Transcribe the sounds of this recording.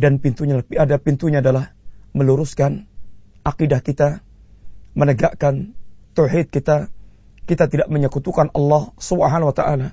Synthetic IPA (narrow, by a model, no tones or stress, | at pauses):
danpint̪uɲalapiadapint̪uɲaːdalahməluɾuskan | ʔaqidahkit̪a | mənəɡaʔkant̪owħid̪̚kit̪a | kit̪at̪idaʔməɲəkut̪ukanɑlːɑhsubɦanawat̪aʔala